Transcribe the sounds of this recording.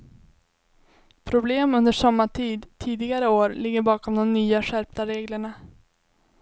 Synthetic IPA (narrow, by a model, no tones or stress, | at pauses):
pʰɾʊbleːmɵnd̪əʂamːat̪ʰiːd̪t̪ʰiːd̪ɪɡaɾəoːɾlɪɡːəɾbɑːkɔmd̪ɔmnyːaʂæɾp̚t̪aɾeːɡləɳa